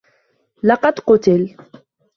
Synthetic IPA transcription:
lɑqɑd̪qʊt̪ɪl

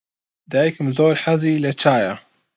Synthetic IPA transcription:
d̪aːjkʊmzoːlħazilat͡ʃːaːja

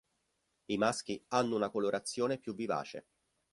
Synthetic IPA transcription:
imask̟ianːounakoloɾʔat̪sːjoːnepjuvːiva̰ːt͡ʃḛ

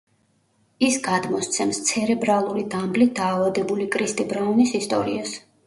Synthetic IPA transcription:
isɡad̪mɔst̪sʰɛmst̪sʰɛɾɛbɾalˠuɾid̪amblit̪̚d̪aːvad̪ɛbulikʼɾist̪ʼibɾaunisist̪ʼɔ̰ɾḭas

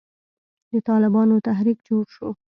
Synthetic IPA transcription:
d̪ət̪ɑlɪbɑnot̪aɦɾikd͡ʒoɽʃo

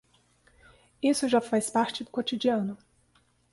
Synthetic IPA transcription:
isʊʒafajspaɾt͡ʃɪd̪ʊkot͡ʃid͡ʒiɐ̃nʊ

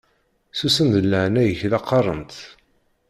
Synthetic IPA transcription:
susənd̪əlːəʕnæjəçðɑqːɑrˤə̰nt̪

